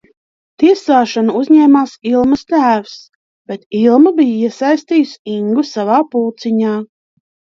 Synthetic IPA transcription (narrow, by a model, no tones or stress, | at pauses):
t̪iɛsaːʃanuuzɲɛːmaːsilˠmɐst̪æːvs | b̥et̪ilˠmabijiɛsajst̪iːsiŋɡusavaːpuːt̪siɲaː